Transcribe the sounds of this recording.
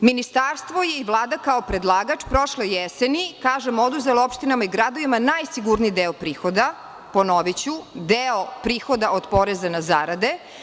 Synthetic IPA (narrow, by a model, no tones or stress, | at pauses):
minist̪aɾst̪ʋo̞jeiʋlˠaːd̪akaopɾed̪lˠaːɡat͡ʃpɾo̞ʃlejɛsenikaːʒemod̪uzeloopʃt̪inamaiɡɾad̪oʋimanaːjsiɡuɾniːd̪eopɾiːxod̪a | ponoʋit͡ɕud̪eopɾiːxo̞d̪aʔod̪po̞ɾezanazaːɾad̪e